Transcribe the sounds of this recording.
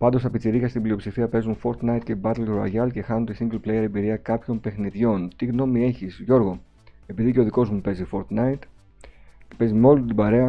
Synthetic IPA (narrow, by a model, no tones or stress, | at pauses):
pɐnd̪o̞st̪ɐpit͡siɾiɣɐst̪iblio̞psifiɐpe̞zunfo̞ɾt̪nɐjt̪̚ce̞bɐt̪elɾoɐ̰ʝɐlce̞xɐnunt̪isiŋɡlplejeɾe̞biɾiɐkɐpço̞mpe̞xniðʝo̞nt̪iɣno̞mie̞çisʝo̞ɾɣo̞ | e̞piðiceo̞ðiko̞zmupe̞zifo̞ɾt̪nɐit̪ | epe̞zimo̞lut̪ibɐɾe̞ɐ